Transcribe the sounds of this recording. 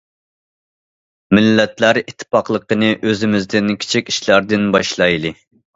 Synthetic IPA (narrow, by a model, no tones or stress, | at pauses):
mɪlːɛt̪læɾit̪ʰːɪ̥pɑqlˠəqənɨʔøzɪmɪzd̪ɪnkʲʰi̥t͡ʃʰikʲi̥ʃlˠæɾd̪ɪnbɑʃlˠɑjlˠɨ